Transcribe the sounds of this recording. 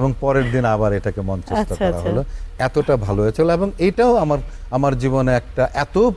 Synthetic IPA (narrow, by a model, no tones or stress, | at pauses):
eboŋpɔɾeɾd̪inabaɾejʈakemɔnt͡ɕest̪okɾaɦoloɛt̪oʈabʱaloɦet͡ɕʰeloeboŋejʈaoamaɾ | amaɾd͡ʑiβoneɛk̚ʈaʔɛt̪o